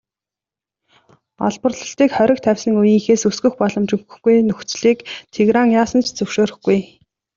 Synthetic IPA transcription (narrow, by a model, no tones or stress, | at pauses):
ɔ̰ɮpə̆rɮə̆ɬt̪iːkχœɾʲɪ̆k̚t̪ʰæwʲsə̆ŋujiːŋxeːsɵsɡɵ̆xpɔɮɞ̆mt͡ɕɵxɵ̥̆xɡujnɵxt͡sɮiːkt̪ʰeɣɾaːŋjaːsə̆nt͡ɕʰt͡sɵwʃoːɾɵ̆xɡuj